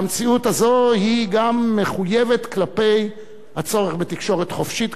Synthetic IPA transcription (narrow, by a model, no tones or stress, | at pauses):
mt͡siutazo̞hiɡamːe̞χuje̞ve̞t̪klape̞j | hat͡so̞ʁeχbe̞t̪ikʃo̞ʁe̞t̪χo̞fʃit̪